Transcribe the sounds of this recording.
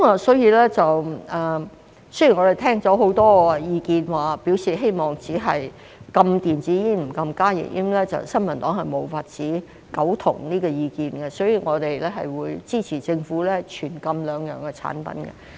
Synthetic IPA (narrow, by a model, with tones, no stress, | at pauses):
kmaː˨˧sɔ˨˥jiː˧lɛː˥t͡sɐ˨wɐː˨ | sɵ˥ji˨˩ŋɔː˨˧ɾe˨jt̪ʰɛː˥ŋt͡sɔː˨˥ɦo˨˥wt̪ɔː˥˧jiː˧kiː˧nwaː˨piː˨˥wsiː˨˩ɦe˥jmɔː˨˩ŋt͡siː˨˥ɦɐ˨j | kɐ˧mt̪iː˨nt͡siː˨˥jiː˥m̩˨˩kɐ˧mkaː˥jɪ̰˨˩ʔḭ˥mlɛː˥t͡sɐ̰˨wsɐ˥nmɐ˨˩nt̪ɔː˨˥ŋɦɐ˨jmo˨˧wfaː˧t̚t͡siː˨˥ | kɐ˨˥wt̪ʰʊ̰˨˩ŋniː˥kɔː˧jiː˨˧kiː˧nɡɛ˧sɔː˨˥jiː˨˧ŋɔː˨˧t̪e˨jlɛː˥ɦɐ̰˨jwuː˨˧jt͡siː˥t͡sʰiː˨˩t͡sɪ˧ŋfuː˨˥lɛː˥t͡ʃʰyː˨˩nkɐ˧mlœː˨˧ŋjœ̰ː˨ŋkɛ˧t͡sʰa̰ː˨˥npɐ̰˨˥nɡɛ̰˧